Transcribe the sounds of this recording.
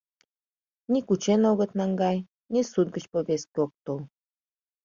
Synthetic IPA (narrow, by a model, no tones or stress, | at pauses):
nikut͡ɕenoɣət̪nɑŋɡɑj | nisud̪̚ɡət͡ɕpoβeskʲeok̚t̪ol